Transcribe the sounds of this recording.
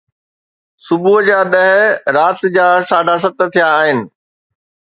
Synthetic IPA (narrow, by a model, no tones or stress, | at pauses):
sʊbuɦd͡ʑaːɗɐɦɾaːt̪d͡ʑaːsaːɖʱas̬ɐt̪̆t̪ʰijaːɦɪnɪ̆